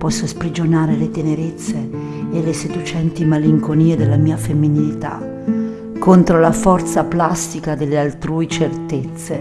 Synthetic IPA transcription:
pɔsːospɾid͡ʒonaːɾelet̪eneɾet̪sːeː | lesed̪ut͡ʃɛnt̪imaliŋkoniːed̪elːamiːafemːinilit̪a̰ | kːont̪ɾolafɔrt̪saplast̪ikad̪elːealt̪ɾuːit͡ʃert̪et̪sːe

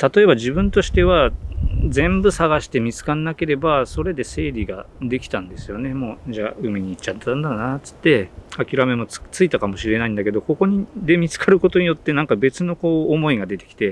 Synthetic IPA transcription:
t̪at̪o̞e̞βaʑibɯ̟̃nt̪o̞ɕi̥t̪e̞β̞a | d͡zẽ̞mbɯ̟saɡaɕi̥t̪e̞mʲit͡sɨ̥kanːake̞ɾe̞baso̞ɾe̞d̪e̞se̞ːɾʲiɡad̪e̞kʲi̥t̪ãnd̪e̞sɨjo̞ne̞mo̞ːd͡ʑaːɯ̟mʲiɲ̟iːt͡ɕːat̪ːand̪aɾonat͡sɨ̥t̪ːe̞akʲiɾame̞mo̞t͡st͡sɨit̪akamo̞ɕiɾe̞naĩnd̪ake̞d̪o̞ko̞ko̞ɲ̟id̪e̞mʲit͡sɨ̥kʰaɾɯ̟ko̞t̪o̞ɲ̟ijo̞t̪ːe̞nãŋkabe̞t͡sɨno̞ko̞ːmo̞iɡad̪e̞t̪e̞̥kʲi̥t̪e̞

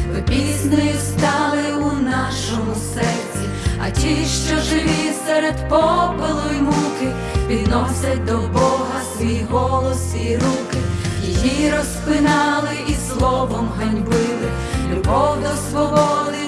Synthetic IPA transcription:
ʋɪpʲiznɔjust̪ɑlˠɪunɑʃɔmʊsɛrt͡sʲi | ɐ̰tʲiʃt͡ʃɔʒɪʋʲisɛɾɛd̪pɔbɪlˠɔjimukɪ | pʲid̪nɔsʲɐt̚ʲd̪ɔbɔɦɐsʋʲijɦɔlˠɔsiɾukɪjijiɾɔsplɪnɑlˠɪislˠɔʋɔmɦɐnʲbɪlˠɪ | lʲubɔwd̪ɔsʋɔbɔd̪ˠɪ

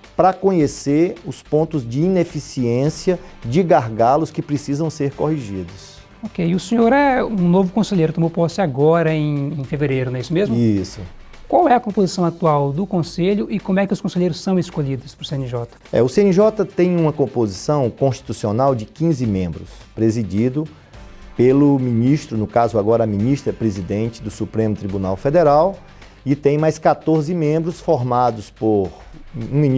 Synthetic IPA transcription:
pɾɐkõɲeseɾʊspõnt̪ʊzd͡ʒɪinefisiẽsiɐd͡ʒɪɡaɾɡalʊskɪpɾesizɐ̃w̃seɾkohiʒid̪ʊs | okejʊsẽɲoɾɛũnovʊkõseʎejɾʊt̪õmowpɔsɪaɡɔɾɐẽj̃ẽj̃feveɾejɾʊnɛisʊmezmʊisʊ | kwawɛɐkõpozisɐ̃w̃at̪uawd̪ʊkõseʎʊʔɪkõmʊɛkɪʊskõseʎejɾʊsːɐ̃w̃ɪskoʎid̪ʊspɾʊsẽnɪʒɔt̪ɐ̥ɛ̰ʊseẽniʒɔt̪ɐt̪ẽj̃ũmɐkõpozisɐ̃w̃kõst͡ʃi̥t̪usionawd͡ʒɪkĩzɪmẽmbɾʊs | pɾezid͡ʒid̪ʊ | pelʊmĩniʃt̪ɾʊnʊkazʊaɡɔɾɐːmĩniʃt̪ɾɐpɾezid̪ẽnt͡ʃɪd̪ʊsupɾẽmʊt̪ɾibunawfed̪eɾaw | ɪt̪ẽj̃majskat̪oɾzɪmẽmbɾʊsfoɾmad̪ʊspoɾũmĩn

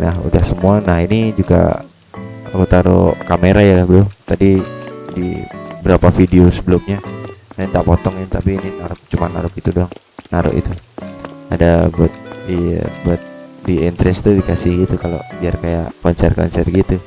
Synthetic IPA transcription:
nahṵdahsəmuanahinid͡ʒuɡa̰ | ɾut̪aɾo̰kameɾajabəlʊt̪adidḭbəɾapafideosəbəlʊmɲaant̪apɔt̪ɔŋint̪apiːninaɾʊk̚t͡ʃumanːaɾʊk̚it̪udɔŋ | naɾʊ̰ʔḭt̪u | a̰dabət̪̚dibət̪̚diint̪ɾɛst̪udikasɪhɡit̪ukalo̰d͡ʒiarkaja̰ʔkɔnsɛrkɔ̰nsɛ̰rɡit̪u

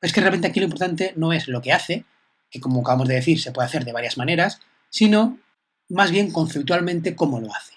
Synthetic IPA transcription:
eskerealment̪eakiloimp̬oɾt̪ant̪e̞no̞e̞zlo̞keaθe̞ | ke̞ko̞moakaβamo̞zðeðeθiɾse̞pweðaθe̞ɾðeβaɾjazmãne̞ɾasː | ino̞ | mazβje̞ŋkõ̞n̟θep̚t̪ualmẽnt̪e̞ko̞moloaθe̥

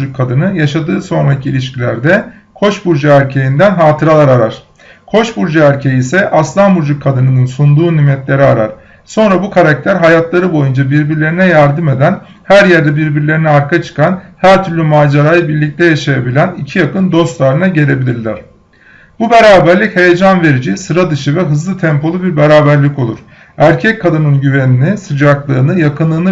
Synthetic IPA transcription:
d͡ʒukʰːad̪ɯnɯjaʃad̪ɯːso̞nɾacʰilʲiʃcʰilʲæɾd̪ɛ | kʰo̞ʃbuɾd͡ʒaæɾcʰejind̪ænɦaːt̪ʰɯɾalˠaɾaɾaɾ̥ | kʰo̞ʃbuɾd͡ʒaæɾcʰejiːsɛʔaslˠanbuɾd͡ʒukʰːad̪ɯnɯnɯnsund̪uːnimɛt̪lʲe̞ɾiaɾa̰ɾ̥ | so̞nɾabukʰaɾak̚t̪ʰæɾɦajat̪lˠaɾɯbo̞jund͡ʒabiɾbiɾlʲe̞ɾinɛjæɾd̪ɯme̞d̪æn | hæɾjæɾd̪ɛbiɾbiɾlʲe̞ɾiniaɾkʰat͡ʃʰɯ̥kanhæɾt̪ʰyɾlʲymaːd͡ʒaɾajɯbiɾlʲic̚t̪ʰɛjaʃajabilʲænicʰijakɯnd̪o̞st̪lˠaɾɯnaɟe̞ɾʲe̞bilʲiɾlʲæɾ̥ | bubeɾaːbæɾlʲichejed͡ʒanve̞ɾid͡ʒisɯɾad̪ɯʃɯvɛɦɯzlˠɯt̪ʰɛmpo̞lˠubiɾbeɾaːbæɾlʲico̞lˠuɾ̥ | æɾcʰɛckʰːad̪ɯnɯnɟyveninisɯd͡ʒaklˠɯːnɯjakʰɯnlˠɯːnɯ

